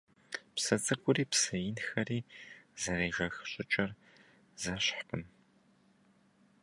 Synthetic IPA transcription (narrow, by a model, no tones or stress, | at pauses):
psɐt͡sʼɨɡʷʼʊriːpsɐjɪnxɐriːzɐɾeːʒɐxɕʼɪt͡ʃʼɐr | zɐɕħpʰɨn